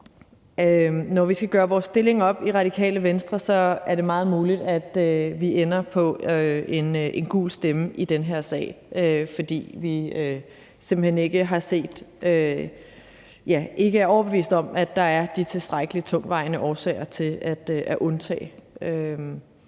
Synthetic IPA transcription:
ønɒʋisɡ̥æɡ̥ɶːɐʋɒːsːd̥e̝le̝ŋɒ̽b̥iʁɑ̈d̥ikʰɛ̰ːləʋensd̥ʁɐsɒ̽æɐɾe̝mɑ̈ːð̞̩ˠmuːlid̥æd̥øʋiʔenɐpʰɒ̽øe̝nʔe̝nɡ̥ṵːlsd̥eməʔid̥enɦeɐ̰sɛ̰ː | ʔøfɒ̽d̥ḭːʋiø | se̝mb̥l̩hene̝ɡ̥əɦɑ̈se̝̰ːd̥ø | jæʔe̝ɡ̥əæɐɒʊɐb̥e̝ʋḭːsd̥ɒ̽mæd̥ɑ̈æɐd̥it͡sʰe̝lsd̥ʁaɡ̥əlit͡sʰɔ̽ŋ̰ʋɑ̈ɪnəʔɒːsɛ̰ɪ̰ɐt͡sʰe̝læd̥ʔæʔɔ̽nt͡sʰɛ̰ːɪøm

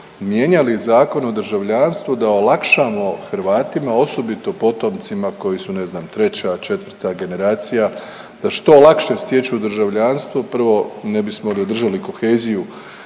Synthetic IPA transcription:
mje̞ɲalizaːko̞no̞d̪r̩ʒaʋʎanst̪ʋud̪aolakʃamo̞xɾʋaːt̪imao̞so̞bit̪o̞po̞t̪o̞mt̪simako̞jisune̞znaːmt̪ɾe̞t͡ɕat͡ʃe̞t̪ʋrt̪aɡe̞ne̞ɾaːt̪sija | d̪̥aʃt̪o̞lˠakʃe̞st̪je̞t͡ɕud̪r̩ʒaʋʎanst̪ʋopr̩ʋo̞ne̞bismolio̞d̪r̩ʒaliko̞xe̞ːziju

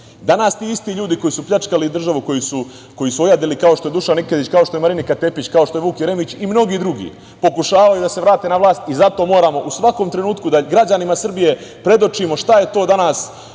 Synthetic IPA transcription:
d̪anaːst̪iːist̪iʎuːd̪iko̞jisupʎat͡ʂkalid̪r̩ʒaʋuko̞jisu | ko̞jisuojad̪ilikao̞ʃt̪o̞e̞d̪uʃaniked̪it͡ɕkao̞ʃt̪o̞jemaɾinikat̪e̞pit͡ɕkao̞ʃt̪o̞juːkjeɾemit͡ɕimno̞ɡiːd̪ɾuɡḭː | po̞kuʃaːʋajud̪ase̞ʋɾaːt̪e̞naʋlˠaːst̪izat̪o̞mo̞ːɾaːmo̞ʔusʋako̞mt̪ɾe̞nuːt̪kud̪aɡɾad͡ʑanimasr̩bije̞pɾe̞d̪o̞t͡ʃimo̞ʃt̪aje̞t̪oːd̪anaːs

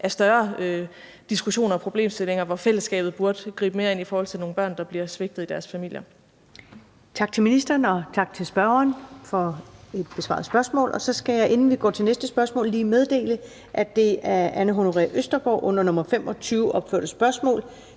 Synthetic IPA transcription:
ʔæɐsd̥ɶɐø | d̥isɡ̥uɕo̝̰ːnɐːpʰʁo̝b̥le̝̰ːmsd̥e̝le̝ŋɐʋɒfel̰əsɡ̥ɛ̰ːb̥ð̩ˠbuɐd̥ɡ̥ʁḭːb̥əme̝ːɐe̝nifɒːhɒ̽l̰t͡sʰeno̝ːnb̥ɶɐ̰nd̥ɑ̈b̥liɐsʋe̝ɡ̥̚d̥ð̩ˠid̥æɐsfæmil̰jɐ | t͡sʰɑ̈ɡ̥̚t͡sʰe̝lminisd̥ɐːnɒ̽t͡sʰɑ̈ɡ̥̚t͡sʰe̝lsb̥ɶɐɐnfɒ̽e̝d̥̚b̥e̝sʋɑ̰̈ðˠsb̥ɶɐsmɔ̰̽ːlʔɒ̽sɒ̽sɡ̥æjɑ̈ɪʔe̝nn̩ʋiɡ̥ɒ̰ːt͡sʰe̝lnesd̥əsb̥ɶɐsmɔ̰̽ːliːmeð̞ˠd̥e̝̰ːlə | ʔæd̥e̝æɐʔænəɦo̝noʁɛ̰ʔøsd̥ɐɡ̥ɒ̰ːʔɔ̽n̰ɐnɔ̽mɐfem̰ʔɒ̽t͡sʰyːʊʔɒ̽b̥fø̰ɐd̥̩əsb̥ɶɐsmɔ̰ːl

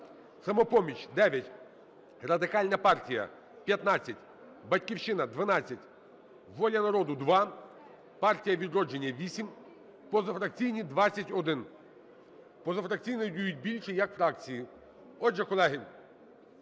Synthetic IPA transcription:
sɐmɔpɔmʲit͡ʃʲd̪ɛʋʲjɐtʲ | rɐd̪ɪkɑlʲnɐpɑrtʲijɐ̰ | pʲjɐt̪nɑt͡sʲːɐt̚ʲ | bɐtʲkʲiwʃɪnɐd̪ʋɐnɑt͡sʲːɐtʲ | ʋɔlʲɐnɐɾɔd̪ʊd̪ʋɑ | pɑrtʲijɐʋʲid̪ɾɔd͡ʒenʲːɐʋʲisʲim | pɔzɐfɾɐk̚t͡sʲijnʲid̪ʋɑt͡sʲːɐtʲɔd̪ɪn | pɔzɐfɾɐk̚t͡sʲijnɐdʲujʊt̚ʲbʲilʲʃɛjɐkfɾɑk̚t͡sʲiji | ɔd͡ʒɛkɔlˠɛɦɪ

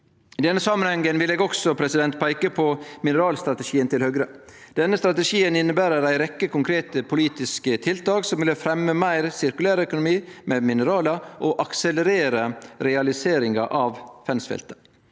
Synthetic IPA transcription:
ɪd̪ɛnːəsɑmənhɛŋːənʋɪleːɡɔksɔpʰɾɛsɪd̪ɛnt̪̚pʰæɪkəpʰɔmɪnəɾɑːlst̪ɾɑt̪əʂiːənt̪ɪlhœɡɾə | d̪ɛnːəst̪ɾɑt̪əʂiːənɪnːəbæːɾəɾæɪɾɛkːəkʊŋkʰɾeːt̪əpʰʊliːt̪ɪskət̪ʰɪlt̪ɑːksɔmʋɪləfɾɛmːəmæɪɾsɪɾkʉlæːɾəœkʊnʊmiːmɛmɪnəɾɑːləʔɔʔɑksɛləɾeːɾəɾɛɑlɪseːɾɪŋɑ̰ʔɑʋfɛnsfɛ̰lt̪ə̥

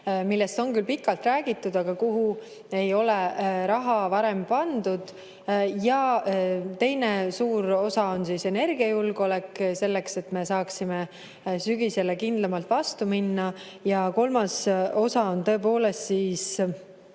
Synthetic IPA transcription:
milːest̪o̞nkylpikːˑɑlt̪ræːɡit̪ːˑud̪̥ɑɡ̥ɑkuɦu | e̞jo̞le̞ɾɑɦɑvɑɾe̞mpɑnd̪̥ud̪̥ | jɑ | t̪e̞jnesuːɾo̞sɑo̞nsise̞ne̞rɡ̥iɑjulɡ̥o̞lekse̞lːekse̞t̪me̞sɑːksime | syɡise̞lekind̪lɑmɑlt̪vɑst̪uminːɑ | jɑko̞lmɑso̞sɑo̞nt̪ɤ̞ep̬o̞ːle̞st̪siːs

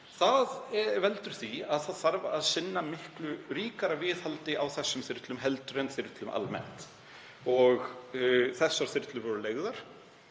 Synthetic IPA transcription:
θaðvɛlt̪ʏɾ̥θviaðθaðθaɾva̰aðsɪnːamɪhklʏɾiːkaɾavɪːðhalt̪ɪʔawθɛsːʏmθɪɾt̪lʏmɦɛlt̪ɾenθɪɾt̪lʏmʔa̰lmɛ̰n̥t̪ | ɔɣ | θɛsːaɾ̥θɪɾt̪lʏɾvɔɾʏleːɣðaɾ̥

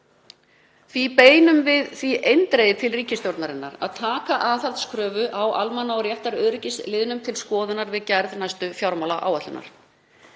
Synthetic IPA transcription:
θvipeːjnʏmvɪðθviʔejnt̪ɾejðɪt̪ʰɪlriːcɪst̪jowɾt̪naɾɪnːa̰ɾa̰ðt̪ʰaːkaʔaθaɾt̪skʰɾœːvʏʔawʔalmanːaɔɾjɛht̪aɾœːðɾɪcɪst̪lɪðʏnʏmt̪ʰɪlskɔːðʏnaɾvɪðcɛɾðnajst̪ʏfjawɾmawlaʔa̰ːwat̪lʏna̰ɾ̥

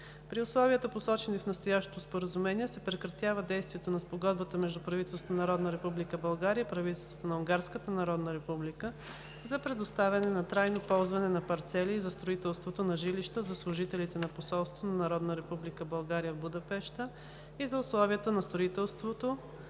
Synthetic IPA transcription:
pɾiʊslˠɔviət̪əposɔt͡ʃɛnifnɐst̪ojaʃt̪o̥t̪ospoɾəzʊmɛniɛsɛpɾɛkɾɐt̪javəd̪ɛjst̪vʲiɛt̪onɐspoɡɔd̪bət̪əmɛʒd̪upɾɐvit̪ɛlˠsot̪nɐɾɔd̪nəɾɛpublikəbɐlˠɡaɾiəipɾɐvit̪ɛlˠst̪vo̥t̪onɐuŋɡaɾskət̪ənɐɾɔd̪nəɾɛpublikə | zɐpɾɛd̪ost̪avʲɐnɛnɐt̪ɾajnopɔlˠzvɐnɛnɐpɐɾt̪sɛlʲizɐst̪ɾoit̪ɛlˠst̪vot̪onɐʒiliʃt̪əzɐslˠʊʒit̪ɛlit̪ɛnɐposɔlˠst̪vonɐnɐɾɔd̪nəɾɛpublikəbɐlˠɡaɾijəvbʊd̪ɐpɛʃt̪ə | izɐʊslˠɔviət̪ənɐst̪ɾoʊit̪ɛlˠst̪vot̪o

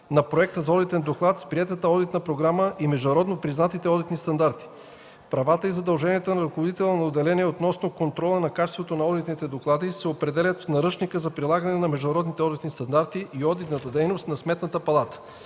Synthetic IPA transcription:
nɐpɾoɛk̚t̪əzɐɔd̪it̪ɛnd̪oklˠat̪spɾiɛt̪ət̪əɔd̪it̪nəpɾoɡɾaməʔimɛʒd̪ʊnɐɾɔd̪nopɾiznat̪it̪ɛɔd̪it̪nist̪ɐnd̪aɾt̪i̥ | pɾɐvat̪əizɐd̪ɐlˠʒɛniɛt̪onɐɾɐkovod̪it̪ɛlˠnnod̪ɛlɛniɛot̪nɔsnokont̪ɾɔlˠənɐkat͡ʃɛst̪vot̪onɐɔd̪it̪nit̪ɛd̪oklˠad̪isɛopɾɛd̪ɛlʲət̪fnɐɾɤt͡ʃnikəzɐpɾilˠaɡənɛnɐmɛʒd̪ʊnɐɾɔd̪nit̪ɛɔd̪it̪nist̪ɐnd̪aɾt̪iʔiɔd̪it̪nət̪əd̪ɛjnost̪nɐsmɛt̪nət̪əpɐlˠat̪ə̥

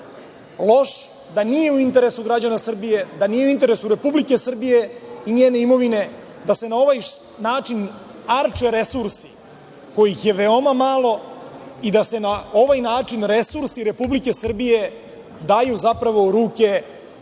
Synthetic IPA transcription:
lˠo̞ʃ | d̪anije̞uint̪e̞ɾe̞suɡɾad͡ʑanasr̩bije̞d̪anijeuint̪e̞ɾe̞suɾe̞publike̞sr̩bije̞ineːne̞imo̞ʋine̞ | d̪ase̞nao̞ʋaj | naːt͡ʂin | aɾt͡ʃeɾe̞suɾsi̥ | ko̞jixje̞ʋe̞o̞mamalo̞id̪ase̞nao̞ʋajnaːt͡ʂinɾe̞suɾsiɾe̞publike̞sr̩bije̞ | d̪ajuzapɾaʋo̞ɾuːke̞

